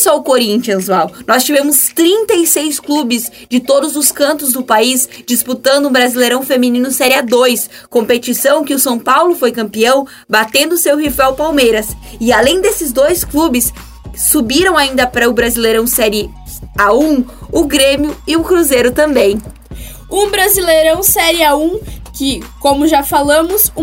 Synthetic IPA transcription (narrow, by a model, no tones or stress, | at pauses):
sɔʊkoɾĩnt͡ʃiɐ̃zvawnɔst͡ʃivẽmʊst̪ɾĩnt̪ɐisejsklubɪz | d͡ʒɪt̪od̪ʊzʊskɐ̃nt̪ʊzd̪ʊpaisd͡ʒisput̪ɐ̃nd̪ʊ̃bɾazilejɾɐ̃w̃femĩnĩnʊsɛɾɪad̪ojs | kõmpet͡ʃisɐ̃w̃kɪʊsɐ̃w̃pawlʊfojkɐ̃mpiɐ̃w̃ | bat̪ẽnd̪ʊsewhifɛwpawmejɾɐsɪalẽj̃d̪esɪzd̪ojsklubɪsː | ubiɾɐ̃w̃aĩnd̪ɐpɾɐʊbɾazilejɾɐ̃w̃sɛɾɪ | aũʊɡɾẽmjʊɪʊkɾuzejɾʊt̪ɐ̃mbẽj̃ | ũbɾazileɾɐ̃w̃sɛɾɪaũkɪkõmʊʒafalɐ̃mʊs